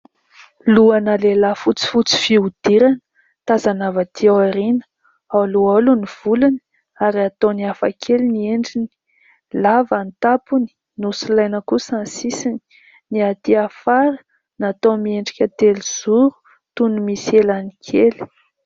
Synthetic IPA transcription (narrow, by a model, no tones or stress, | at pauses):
luanəlelafut͡si̥fut͡si̥fiud̪̥iɾanə̥ | t̪azanavat̪iawaɾinə̥ | awlualuniv̥uluni | aɾiat̪oniafa̰kʰelinieɳɖ͡ʐini̥ | lavant̪apuni̥ | nusilajnəkusansisini̥ | niat̪iafaɾə | nat̪omieɳɖ͡ʐi̥kʲət̪eliz̥uɾu̥ | t̪unumiselanikʰeli̥